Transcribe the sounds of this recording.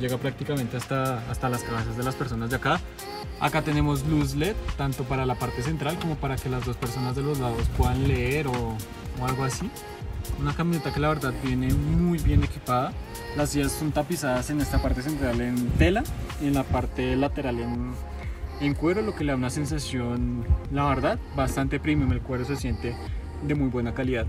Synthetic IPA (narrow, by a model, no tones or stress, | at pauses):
d͡ʒe̞ɣapɾak̚t̪ikame̞nt̪e̞ast̪aːst̪alaskaβas̬jazðe̞laspeɾs̬o̞nazd̪eaka | a̰kat̪e̞ne̞mo̞z̬luz̬let̪ːant̪o̞paɾalapaɾt̪e̞s̬e̞nt̪ɾalko̞mo̞paɾake̞lazd̪o̞spe̞ɾso̞nazðe̞lo̞zlaðospwe̞ðanleeɾo̞ː | alɡo̞asi | unakamĩnet̪ake̞laβe̞ɾðaðbje̞ne̞mujbje̞ne̞kipaða | lasiʝasːo̞nt̪apisaðase̞ne̞st̪apaɾt̪es̬e̞nt̪ɾalent̪e̞laenlapaɾt̪e̞lat̪e̞ɾalen | eŋkwe̞ɾolo̞keleðaunase̞ns̬asjo̞nlaβe̞ɾðaðbast̪ant̪e̞pɾimjomelkwe̞ɾo̞se̞sje̞nt̪e̞ | d̪e̞mujbwe̞nakaliðað